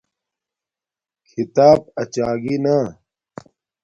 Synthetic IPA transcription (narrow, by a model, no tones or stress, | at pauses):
kʰit̪aːb̚ɐt͡ɕaːɡina